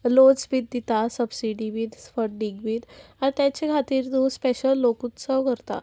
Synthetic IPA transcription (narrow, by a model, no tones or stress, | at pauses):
lot͡sbit̪̚d̪it̪asəbsiɖiʋiːd̪sfəʈ̚ɖiɡʋiːt̪aɾt̪jat͡ɕekʰat̪iːɾd̪ũspeɕəlːokut̪səʋkəɾt̪a̰